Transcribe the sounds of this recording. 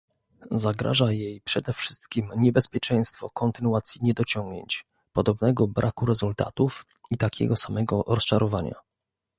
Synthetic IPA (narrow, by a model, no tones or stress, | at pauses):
zaɡɾa̰ʐajejpʂɛd̪ɛfʂɘst̪kʲimɲɛbɛspʲjɛt͡ʂɛj̃st̪fɔ̰kɔnt̪ɘnuat̪sʲjiɲɛd̪ɔt͡ɕɔŋɡɲḛɲt͡ɕ | pɔd̪ɔbnɛɡɔbɾʔakuɾɛzult̪a̰t̪uf | it̪akʲɛ̰ɡɔsamɛɡɔɾɔst͡ʂaɾɔvaɲa̰